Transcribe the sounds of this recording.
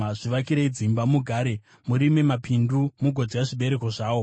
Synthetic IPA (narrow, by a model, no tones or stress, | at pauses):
ʐiʋakiɾeid͡zimbamuɡʱaːɾe̞ | muɾime̞mapindumuɡʱod͡zijaʐiɓe̞ɾe̞ko̞ʐaːwo̞